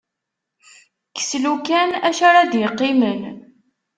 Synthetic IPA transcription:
kə̥slukænæʃaɾaðjəqːimən

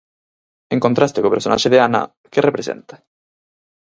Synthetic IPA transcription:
eŋkont̪ɾast̪ekopeɾsona̰ʃeðeana̰ | kerepɾesḛnt̪ḁ

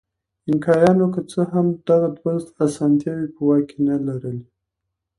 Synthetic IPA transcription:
ɪnkɑjɑnokət͡səɦamd̪̥aɣad̪wanzt̪asɑnt̪jɑwipəwɑkenalaɾəli

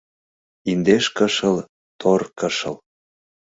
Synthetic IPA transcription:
ind̪eʃkəʃə̆l | t̪ʰorkəʃə̆l

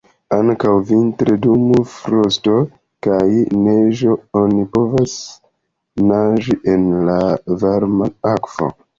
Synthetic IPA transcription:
aŋkawvintɾedumufɾosto̞ | kajneʒoonipo̞vas | naʒiʔenlavaɾmaakv̥o̰

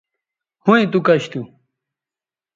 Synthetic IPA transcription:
huĩt̪̬ukɐɕt̪u

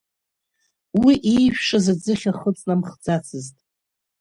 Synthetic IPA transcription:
wiʔijʃᶣʂʼazad͡zɨχʲaχət͡sʼnamχd͡zat͡sʰɨztʼ

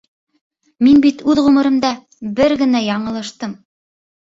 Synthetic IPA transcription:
minbit̪ʉðʁɵ̆mɤ̆ɾɤ̆md̪ɑ | bɘɾɡɘ̆næjɑɴɤ̆lˠɤ̆ʃt̪ɤm

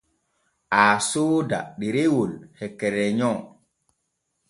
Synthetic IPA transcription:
ʔaːsoːda̰ɗiɾewolhɛkːɛɾɛɲɔ

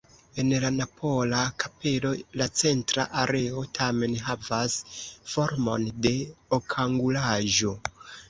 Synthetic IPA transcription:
e̞nlanapʰo̞lakʰape̞lo̞lat͡se̞ntɾa̰ʔaɾe̞o̞tʰame̞nɦavasfo̞ɾmo̞̰nde̞okʰaŋɡulaʒo̞

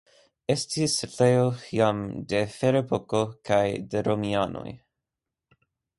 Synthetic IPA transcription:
estisetejoiamde̞feɾepʰokokʰajdeɾomiano̰j

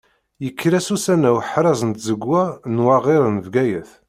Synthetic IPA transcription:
jəkːɾæsusænæwħɾɑzənt̪zəɡwænwɑʁɪɾˤənvɡæjæθ

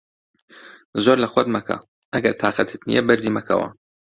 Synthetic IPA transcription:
zoːɾlɐxwɐd̪mɐkʰɐ̰ | ʔɐɡɐɾt̪ʰaːqɐt̪ʰɨt̪nḭjɛ̰bɨɾziːmɐkʰɐ̰wɐ̰

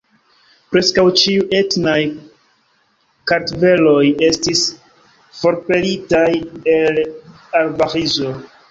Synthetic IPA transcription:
pɾe̞skawt͡ʃiuʔe̞tnaj | kaɾtve̞lo̞je̞stis | fo̞ɾpe̞litajel | alvaʁizo̞

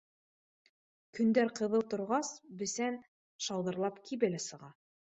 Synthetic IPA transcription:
kɵ̆nd̪æɾqɤ̆ðɤlˠt̪ŏɾʁɑsbɘ̆sæn | ʃɑlˠd̪ɤ̆ɾlˠɑpkʰiβɘlæsɤ̆ʁɑ

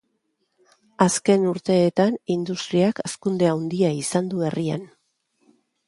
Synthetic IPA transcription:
aske̞nuɾt̪e̞ːt̪anind̪ust̪ɾiakaskund̪e̞awnd̪iaisand̪ue̞ria̰n

